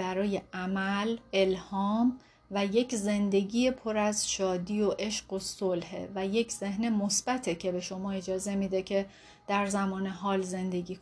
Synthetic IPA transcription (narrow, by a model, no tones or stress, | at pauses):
æɾɒːje̞ʔæmæle̞lhɒːm | væje̞cʰze̞nd̪e̞ɟiːjepʰo̞ɾæzʃɒːd̪iːoʔe̞ʃɢo̞solhḛvæje̞cʰz̥e̞ɦnemo̞sb̥æt̪ʰecʰe̞be̞ʃo̞mɒːe̞d͡ʒɒːze̞miːd̪ecʰe̞ | d̪̥æɾzæmɒːne̞ɦɒːlze̞nd̪e̞ɟiːk